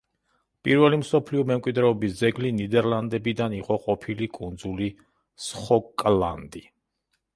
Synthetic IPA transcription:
pʼiɾvɛlimsɔpʰliɔmɛmkʼwid̪ɾɛɔbisd̪zɛɡlinid̪ɛɾland̪ɛbid̪aniqʼɔqʼɔpʰilikʼund̪zuli | sχɔkʼla̰nd̪i

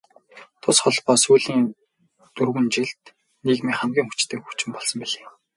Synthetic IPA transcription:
t̪ʰʊsχɔɮpɔːsuːɮiːŋ | t̪urwɘ̆nt͡ɕiɮt̪ | niɣmiːχamɡʲiːŋxut͡ɕt̪ʰeːkxu̥t͡ɕɪ̆mpɔɮsɞ̆mpiɮeː

